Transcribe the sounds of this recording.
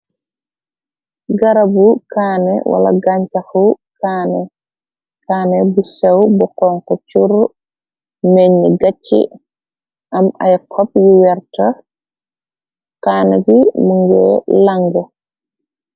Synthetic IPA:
ɡaɾabukaːnɛ̰wa̰la̰ɡaɲt͡ʃaxukaːnɛ | kaːnɛbusɛwbɔkɔŋkɔt͡ʃuɾ | meɲːiɡat͡ʃːḭ | ʔama̰jkʰɔp̚juwɛɾta | kaːnɛbimuŋɡɛlaŋɡɔ

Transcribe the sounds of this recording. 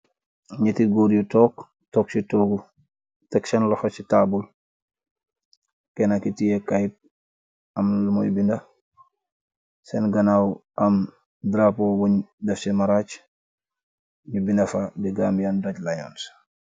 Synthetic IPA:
ɲitiɡoːɾjutɔːk | tɔːk̚sitoɡu | tɐksɐnlɔxɔsitaːbul | kɛnakitijekajt̚ | ɐmlumojbindɐ | sɛnɡɐnawʔɐm | dɾapowoɲdɛfsimaɾat͡ʃ | ɲubindɐfadiɡamjandoɟlajo̰ns

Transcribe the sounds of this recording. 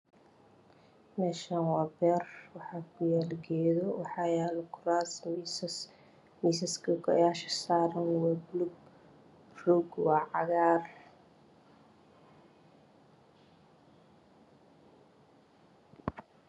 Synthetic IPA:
mɛːʃaːnwaːbɛːrwɑħɑːkʰʊjaːlɡɛjðɔwɑħɑːjaːlkʰʊraːsmiss | misɐskʰɐkʰɔ̰jaːʃɐ̥saːɾɐnwaːbluɡ | ruɡwɑʕɑɣaːr

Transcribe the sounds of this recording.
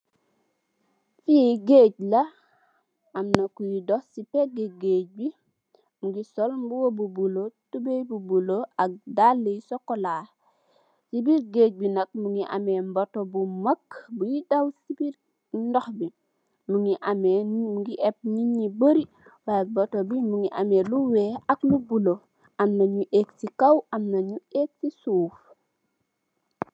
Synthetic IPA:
fiɡeːɟ̚lɐ | amnɐkujidɔsipeɡeɡeːc̚bi | muɡisɔlmbuwobubulotubebubuloak̚dalːejsɔkːolaː | sibiɾɡeːc̚binɐk̚muŋiʔa̰membotobumɐkbujidawsibiɾ | ndɔxbi | muŋiʔameuŋɡiʔɛp̚ɲiɲibəɾi | wajbotobimuŋiʔa̰meluweːaklubulo | amnaɲuʔeksikawʔamnaɲueːk̚sisuːf

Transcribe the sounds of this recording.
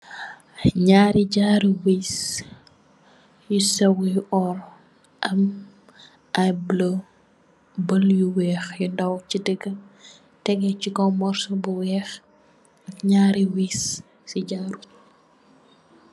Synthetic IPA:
ɲaːɾiɟaːɾiwiːs | jusɐwijɔɾ | ʔɐm | ʔɐjblo | bɐljuwɛːxjundɐwcidəɡə | tɛɡɛcikɔmɔɾsɔbuwɛːx | ʔɐkɲaːɾiwis | siɟaːɾu

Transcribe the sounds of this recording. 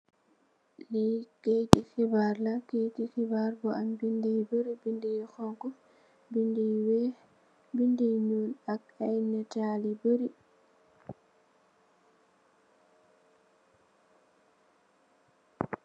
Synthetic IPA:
likejtixibaɾlakejtixibaɾbɔambindijboɾibindijxɔŋkɔ | bindijwɛ | bindiɲulak̚ | ajnɛtaliboɾi

